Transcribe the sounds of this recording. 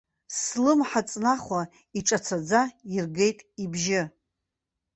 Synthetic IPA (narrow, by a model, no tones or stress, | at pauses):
slɨmħat͡sʼnaχʷa | iʈ͡ʂʼat͡sʰad͡zairɡe̞jtʼibʒɪ